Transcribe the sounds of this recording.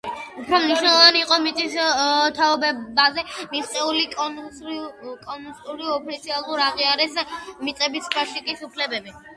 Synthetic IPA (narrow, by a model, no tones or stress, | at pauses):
upʰɾɔmniʃnɛlˠɔvaniːqʼɔmit̪ʼist̪ʰaɔbɛbazɛmisq̪ʼɛulikʼ | kʼɔnust̪ʼuɾiɔpʰit̪sʰialˠuɾaʁiaɾɛsmit̪ʼɛbispʰaʃikʼisupʰlɛbɛbi